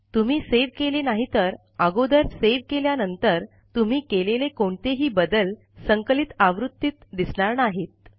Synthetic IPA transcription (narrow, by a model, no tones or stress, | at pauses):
t̪um̤iːseʋkelenaɦit̪əɾ | əɡod̪əɾseʋkeljanənt̪əɾ | t̪um̤iːkelelekoɳt̪eɦiːbəd̪əl | səŋklit̪aʋɾut̪ːiːt̪d̪isɳ̃aɾnaɦet̪̚